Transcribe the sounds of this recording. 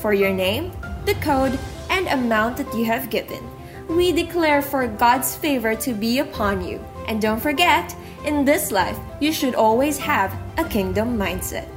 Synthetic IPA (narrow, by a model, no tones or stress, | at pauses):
fə˞jɔ˞nẽɪ̃mðɨkʰoʊd | ʔɨ̃ndɨmãʊ̃nt̪̚ðɨtjɨɦɨvɡɪvɨ̰̃n | widɨkʰlɛɹfəɹɡɑdz̥feɪvə˞tʰɨbiɨpʰɑ̃njʉ̰ | ʔɨ̃ndõʊ̃ntfə˞ɡɛt | ʔɨ̃nðɪslaɪf | jɨʃɨɾɔlˠwiz̥hævʔəkʰɪ̃ŋdə̃mːãɪ̃nd̥sɛ̰t̚